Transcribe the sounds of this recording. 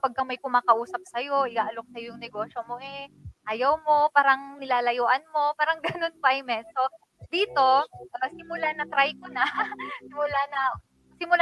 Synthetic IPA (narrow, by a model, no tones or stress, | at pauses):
pɐɡ̚kɐmɐjkʊmaːkɐʔuːsɐp̚sɐjo̞ʔɪɡaːʔɐlok̚sɐjojʊŋnɛɡo̞ːʃomo̞ʔɛʔajɐwmo̞paːɾɐŋnɪlaːlɐjoːʔɐnmo̞paːɾɐŋɡɐno̞nkajmɛnso̞ | d̪iːt̪o̞ɐsɪmʊlanɐt̪ɾajkonɐsɪmʊlanɐ | sɪmʊl